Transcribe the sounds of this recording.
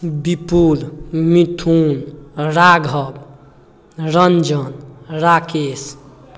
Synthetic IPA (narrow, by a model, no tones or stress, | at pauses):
bipulmit̪ʰunɾaɡʱʌb | ɾʌnd͡ʒʌnɾakes